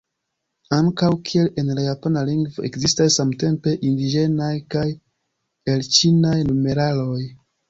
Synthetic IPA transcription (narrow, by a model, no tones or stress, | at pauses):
aŋkawkʰie̞le̞nlajapanaliŋɡvo̞e̞kzistasːamte̞mpe̞ʔindid͡ʒe̞najkaj | elt͡ʃinajnume̞ɾalo̞j